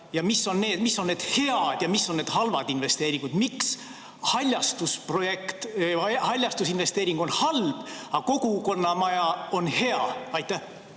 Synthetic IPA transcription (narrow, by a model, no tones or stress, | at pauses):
jɑmisːo̞nne̞ːd̪̥misːonːneːd̪̥he̞ɑd̪̥jɑmisːo̞nne̞ːd̪̥hɑlvɑd̪̥inve̞st̪e̞ːɾiŋɡud̪̥miks | hɑlʲjɑst̪uspro̞je̞kt̪hɑlʲjɑst̪usinve̞st̪e̞ːɾiŋɡ̥o̞nhɑlb̥ɑko̞ɡ̥uko̞nːɑmɑjɑo̞nhe̞ɑɑjt̪ːˑæh